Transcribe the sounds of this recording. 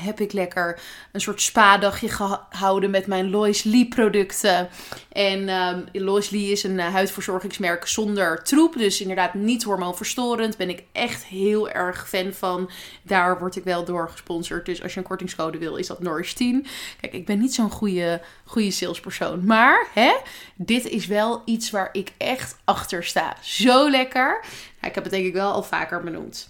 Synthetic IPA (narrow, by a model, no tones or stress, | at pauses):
ɦɛpɪklɛkəɹ | ənsʊːɹtspaːdɑχjəχəɦɑwdənmɛtmɛjnlɔjsliprodɵktə | ʔɛnlɔjsliɪsənɦœɥtfʊːɹzɔɹχɪŋsmɛɹksɔndəɹtrupdɵsɪndəɹdaːtnitɦɔɹmonfəɹstoːɾəntbɛnɪkʔɛχtɦɪːlˠɛ̰ɹχfɛnvɑn | daːɹʋɔɹtɪkʋɛlˠdʊːɹχə̥spɔnsəɹt̚dɵsɑ̰ʃjənkɔɹtɪŋskowdəʋɪlˠɪ̰zdɑtnɔɹɪstinkɛjkɪɡ̚bɛnːitsonχujə | χujəsɪlˠspəɹso̰wnmaːɹɦɛdɪtɪsʋɛlˠitsʋaːɹʔɪkɛχtɑχtəɹsta̰ːz̥owlɛkəɹna̰ɪkɦɛpbədɛŋkɪkʋɛlˠɑ̰lˠva̰ːkəɹbənṵmt